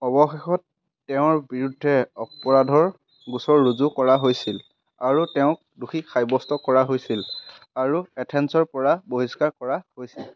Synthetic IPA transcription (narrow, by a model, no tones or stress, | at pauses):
ɔbɔxexɔtː | ɛʊ̃ɹbiɹudʱːɛɔpɔɹadʱɔɹ | ɡusɔɹːuzukɔɹaɦojsil | aɹutɛʊ̃k̚ | duxixʰajbɔstɔkɔɹaɦojsil | aɹuɛtʰɛnsɔɹpɔɹaboɦiskaɹkɔɹahojsil